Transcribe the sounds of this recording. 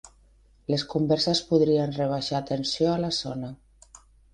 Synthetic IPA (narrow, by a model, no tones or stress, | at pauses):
leskumbɛɾsespuðɾienreβ̞aʃaːt̪ensjoalasɔna